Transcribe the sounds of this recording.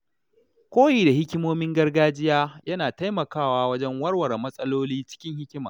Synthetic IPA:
kʷoː˦jiː˨da˨hɪ˦kʲɪ˦moː˦mɪ˦ŋɡɐ˦rɡaː˦d͡ʒɪ˦jaː˦jɐ˦naː˨ta˦jmɐ˨kaː˦˨waː˦wɐ˦d͡ʒɛ˦ŋwɐ˦rwɐ˨ɾmɐ˦sʼɐ˦loː˦liː˦t͡ʃɪ̥˦kʲɪ˦ŋhɪ˦kʲɪ˦ma̰ː˨

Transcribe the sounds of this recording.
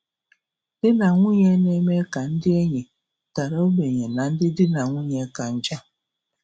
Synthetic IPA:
d̥ɪ˦na˨ŋʷu˦ɲe˦ne˦me˦ka˨n̩˦dɪ˦e˦ɲe˨ | ta˨ɾo˦o˦be˨ɲe˨na˨n̩˦dɪ˦dɪ˦na˨ŋʷu˦ɲe˦ka˨n̩˦d͡ʒa˦

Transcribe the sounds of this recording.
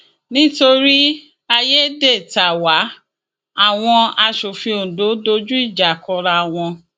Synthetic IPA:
nĩ˦to˧ɾi˦ | a˧je˦de˦˨ta˨wa˨˦ | a˦˨w̃ɔ̃˧a˧ʃo˨fĩ˧o˨do˨˦do˧˦d͡ʒu˦i˦˨d͡ʒa˨kɔ˧ɾa˧˨w̃ɔ̃˧

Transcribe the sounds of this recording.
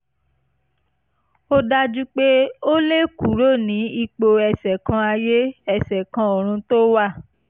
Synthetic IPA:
o˦da˦d͡ʒu˦k͡pe˦o˦le˦ku˨˦ɾo˦˨nĩ˨˦i˧k͡po˧ɛ˧sɛ˨kã˧˦a˧je˦ɛ˦˧˨sɛ˨kã˧o˨ɾ̃ũ˧˦to˦wa˦˨

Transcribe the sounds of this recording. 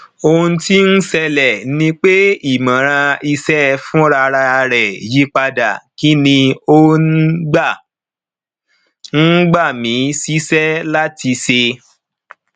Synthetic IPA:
o˧ũ˧ti˦n̩˦sɛ˧lɛ˨nĩ˧k͡pe˦i˦˨mã˨ɾ̃ã˧i˧sɛ˦fũ˦ɾa˧ɾa˧ɾɛ˨ji˨˦k͡pa˧da̰˨ki˨˦nĩ˧o˧n̩˦ɡ͡ba˦˨ | n̩˦ɡ͡ba˦˨mĩ˨˦si˦sɛ˦la˦ti˧se˧

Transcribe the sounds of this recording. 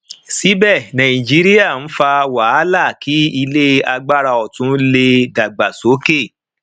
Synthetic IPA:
si˨˦bɛ˦˨nã˨ĩ˨d͡ʒi˨˦ɾi˦ja˦˨ñ̩˦fa˧wa˨˦la˦˨ki˨˦i˧le˦a˧ɡ͡ba˦˨ɾa˧ɔ˨tũ˨˦le˧da˨ɡ͡ba˨so˨˦ke˦˨

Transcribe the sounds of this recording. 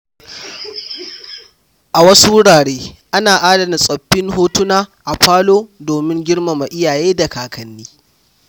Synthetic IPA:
ʔa˨wɐ˦su˦wʊ˦ɽaː˨ɽeː˦ʔa˦naː˨ʔaː˦dɐ˨na˨sʼɐ˨ɸːɪ˦ŋɦoː˦tʊ˦naː˦ʔa˨ɸaː˦loː˦doː˨mɪ˦ŋɡʲɪ˦ɽma˨ma˨ʔɪ˦jaː˨jeː˦da˨kaː˨kʰɐ˨nːiː˦

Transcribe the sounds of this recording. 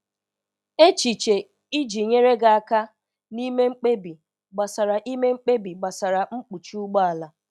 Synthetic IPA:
e˦t͡ʃi˨t͡ʃe˨ | i˦d͡ʒi˨ɲe˦ɾe˦ɡa˦a˦ka˦ | ni˦me˦ŋ͡m̩˦k͡pe˦bi˨ | ɡ͡ba˨sa˨ɾa˨ʔi˦me˦ŋ͡m̩˦k͡pe˦bi˨ɡ͡ba˨sa˨ɾa˨ŋ͡m̩˦k͡pu˨t͡ʃi˦u˦ɡ͡ba˦a˨la˨

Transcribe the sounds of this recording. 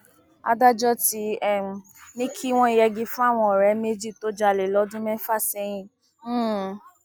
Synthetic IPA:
a̰˧da˦d͡ʒɔ˦ti˧˦ɛ˦˨ | mĩ˦kʰi˦w̃ɔ̃˧i˨jɛ˧ɡĩ˧fũ˦a˦˨w̃ɔ̃˧˨ɾɛ˨˦me˦d͡ʒi˦˨to˦d͡ʒa˧˨le˨lɔ˨˦dũ˦mɛ˦fa˦˨sɛ˧˦j̃ĩ˦˨˦

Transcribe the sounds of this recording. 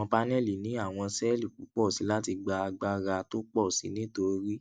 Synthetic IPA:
ɔ̃˧pa˧nɛ˦˨li˨nĩ˨˦a˦˨w̃ɔ̃˧sɛ˦li˦˨k̚u˨˦k͡pɔ˦˨si˨˦la˦ti˧ɡ͡ba˧a˧ɡ͡ba˧ɾa˧to˦k͡pɔ˦˨sḭ˨˦nĩ˦to˧ɾi˦

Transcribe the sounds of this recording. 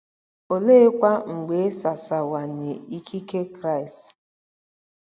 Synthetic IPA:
o˨le˦kʷa˦ŋ̩˨ɡ͡be˨˦sa˨sa˨wa˨ɲe˨i˦kʰi˦ke˦kɾa˦˨ɪ˨st

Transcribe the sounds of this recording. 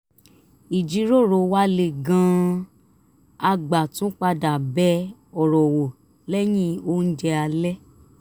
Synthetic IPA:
i˨d͡ʒi˨˦ɾo˦˨ɾo˨wa˦le˧˨ɡã˧ | a˧ɡ͡ba˨tũ˨˦k͡pa˧da˨bɛ˦ɔ˨ɾɔ˨wo˨ | lɛ˦j̃ĩ˦o˦n̩˦d͡ʒɛ˧a˧lɛ˦

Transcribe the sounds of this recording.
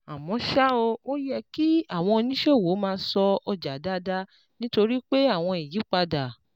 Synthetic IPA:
a˨mɔ̃˨˦ʃa˦o˧o˦jɛ˧ki˦a˦˨w̃ɔ̃˧o˧nĩ˦ʃe˦˨wo˨˦mãː˧˦sɔ˧ɔ˧d͡ʒa˨˦da˦da˧ | nĩ˦to˧ɾi˦k͡pe˦a˦˨w̃ɔ̃˧i˨ji˨˦k͡pa˧da˨

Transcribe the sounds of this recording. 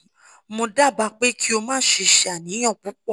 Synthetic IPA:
mõ˧da˦˨ba˨˧˦k͡pe˦kʰi˦o˧mãː˦ʃe˧ʃe˧a˨nĩ˨˦j̃ɔ̃˦˨k͡pũ˨˦k͡pɔ˦˨

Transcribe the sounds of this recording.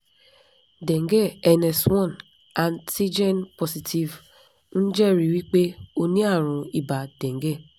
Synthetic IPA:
dɛ̃˨ŋɡe˦˨ɛ˧nɛ˨swɔ̃˦˨n | ã˨nsi˦d͡ʒɛ˦npɔ˨si˨ti˨v | n̩˦d͡ʒɛ˦˨ɾi˨wi˦k͡pe˦o˦nĩ˦a˦˨ɾ̃ũ˨i˨ba˨dɛ̃˨ŋ˦ɡe˦˨

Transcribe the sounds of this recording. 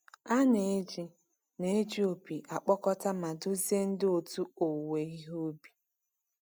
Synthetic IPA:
a˦ne˨e˦d͡ʒi˦ | ne˦e˦d͡ʒi˦o˨pi˨ʔa˨k͡pɔ˦kɔ˦ta˦ma˨dʊ˦zi˦e˦n̩˦dɪ˦o˨tu˦o˨we˨i˦ɦo˦bi˨

